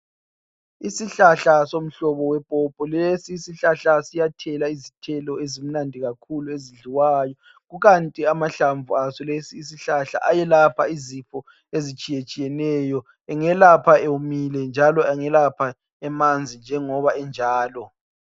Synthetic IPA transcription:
isiɬaɬasom̩ɬɔβɔwɛpʼɔpʼɔlesiːsiɬaɬasijatʰɛlaizitʰɛlɔezim̩nandʱiɣakʰulueziɮiwajɔ | ɣuɣantʼiamaɬaɱvuasɔlesiːs̬iɬaɬa̰ʔajɛlapʰaizifɔ | ezit͡ʃʼijet͡ʃʼijɛnɛjɔ | ɛŋɛlapʰaewumilɛnd͡ʒʱalɔɛŋɛlapʰa | ɛmand͡zʱind͡ʒʱɛŋɔβaɛnd͡ʒʱaːlɔ

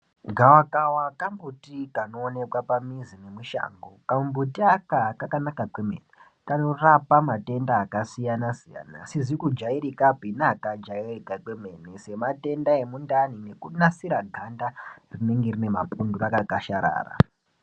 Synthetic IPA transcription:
ɡʱawakawakambutikano̞ːne̞kwapamizinemuʃa̰ːŋɡokambutiakakakanakakwe̞mḛne | kano̞rapamate̞ndaːkasijanasija̰ːna̰sizikud͡ʒaiɾikabʱinakad͡ʒairikakwe̞me̞ːnese̞mate̞ndae̞mundanine̞kunasiɾaɡʱandarine̞ŋɡe̞rine̞mapundurakakaʃaɾa̰ːra̰

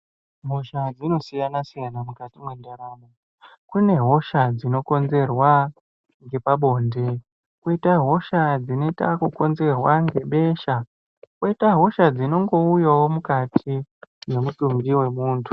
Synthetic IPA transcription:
ɦoʃad͡zino̞sijanasijanamukatimwendaɾaːmo | kune̞ɦo̞ʃad͡zino̞ko̞nze̞rwa | ŋɡe̞paɓo̞ːnde̞ | kuitaɦo̞ʃad͡zine̞itakuko̞nze̞rwaŋɡe̞ɓe̞ːʃa | kwoitaɦo̞ʃad͡zino̞ŋɡo̞ujawo̞mukatʰine̞mutuŋɡiwe̞muːntʰu̥

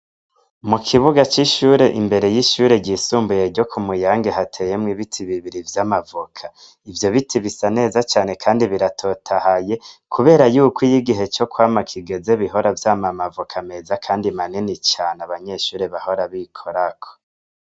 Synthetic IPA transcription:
mukʰiβuɡat͡ʃiʃuːɾe̞ʔimbe̞ɾe̞jiʃuːɾe̞ɟisuːmbuje̞ɾɟo̞kʰumujaːŋɡe̞ɦatʰeje̞mŋiβitʰiβiβiɾivjamavukʰa | ivjo̞βitʰiβisane̞ːzat͡ʃaːne̞kʰaːndiβiɾatʰo̞tʰahaje̞kʰuβe̞ːɾajuːkwijiɡiɦe̞t͡ʃo̞kwaːmakʰiɡe̞ze̞βiɦo̞ɾavjaːmamavukʰame̞ːzakʰaːndimaninit͡ʃaːnaβaɲe̞ʃuːɾe̞βaho̞ɾaβikʰo̞ɾakʰo̥

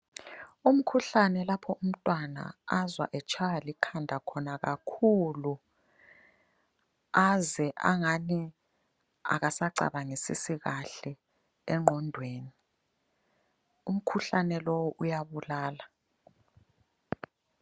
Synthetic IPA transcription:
um̩kʰuɬanɛlapʰɔum̩tʼwana̰azwa̰ʔɛt͡ʃʰajalikʰandʱakʰɔnaɣakʰulu | azɛʔa̰ŋani | a̰ɣasaǀa̰ɓaŋesḭsiɣaɬɛ | ɛŋ͡ǃʱɔndʱweːni | um̩kʰuɬanɛlɔwɔʔujaβulaːla

